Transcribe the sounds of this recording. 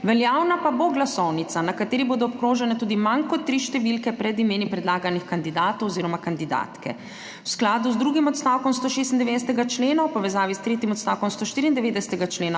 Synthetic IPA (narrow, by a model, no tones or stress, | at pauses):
ʋɛljaːwnapaboɡlasɔwnit̪sanakat̪eːɾiboːd̪ɔɔpkɾoːʒɛnɛt̪uːd̪imankɔt̪ːɾiʃt̪ɛʋilkɛpɾɛd̪imeːnipɾɛd̪laːɡanixkand̪id̪aːt̪ɔwɔziːɾɔmakand̪id̪a̰ːt̪kɛ̰ | wsklaːd̪uzd̪ɾuːɡimɔt̪st̪aːwkɔmst̪oːʃest̪nd̪ɛʋeːd̪ɛsɛt̪ɛɡat͡ʃleːnɔwpɔʋɛzaːʋist̪ɾeːt̪imɔt̪st̪aːwkɔmst̪oːʃt̪iːɾiːnd̪ɛʋeːd̪ɛsɛ̥t̪ɛɡat͡ʃleːna